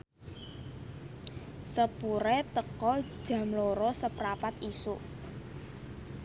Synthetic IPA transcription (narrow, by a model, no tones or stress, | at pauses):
səpuɾɛt̪əkɔ̥ʒ̥ä̤mloɾɔsəpɾapat̪isuʔ